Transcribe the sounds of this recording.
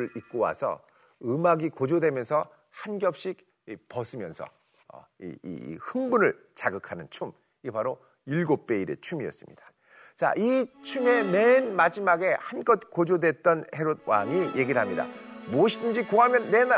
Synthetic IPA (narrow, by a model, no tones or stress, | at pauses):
ɯɭik̚k͈owa̰sʰʌ̰ | ɯmaɡikod͡ʑodwe̞mjʌnsʰʌ | hanɡjʌp̚ɕ͈ik̚ | ipʌsʰɯmjʌ̰nsʰʌ̰ | ʌ̰ḭhɯŋbunɯɭ | t͡ɕaɡɯkʰanɯnt͡ɕʰum | iepaɾo | iɭɡop̚p͈e̞iɾe̞̰t͡ɕʰumiʌs͈ɯmɲḭd̥ḁ | t͡ɕa̰ʔit͡ɕʰuŋe̞me̞nmad͡ʑimaɡe̞hanɡʌt̚k͈od͡ʑodwe̞t̚t͈ʌnhe̞ɾod̚waŋije̞ɡiɾɯɭɦamɲida̰muʌɕʰidɯnd͡ʑikuɦamjʌnːe̞n